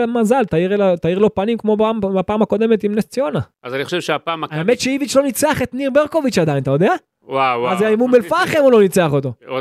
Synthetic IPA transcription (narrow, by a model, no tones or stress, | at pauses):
mazalt̪aiʁelat̪aiʁlo̞panimkmo̞bamapaːmhako̞d̪e̞met̪imnest͡sio̞naazaniχoʃevʃeapaːmaaemet̪ʃeivit͡ʃlo̞nit͡seaχet̪niʁbeʁkovit͡ʃad̪aint̪ajo̞d̪ea | waazeaimunbelfaχemolo̞nit͡seaχot̪o̞